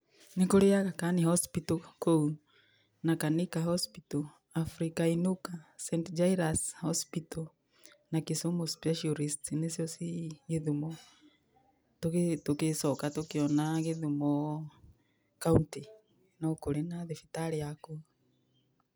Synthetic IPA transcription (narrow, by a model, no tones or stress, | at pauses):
nekoɾeaɣakanihɔspitɔkou | nakanikahɔspitɔ | afɾikainukasɛntd͡ʒaiɾashɔspitɔ | nakisomospɛʃiɔɾistnesiɔsieðumɔ | toktokesɔkatokeɔnaɣeðumɔ | kaunti | nɔkoɾenaðefitaɾeako